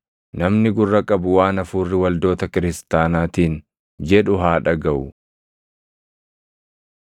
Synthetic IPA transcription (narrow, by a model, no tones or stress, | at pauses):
nɐmnɪɡʊrːɐkʼɐbʊwaːnɐfuːrːɪwɐld̪o̞ːt̪ɐkɪɾɪst̪aːnaːt̪iːn | d͡ʒɛᶑʊɦaːᶑɐɡɐʔʊ